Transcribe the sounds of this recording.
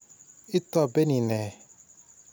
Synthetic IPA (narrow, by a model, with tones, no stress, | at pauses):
i˦tɔ˦˨be˦ni˨nɛ˨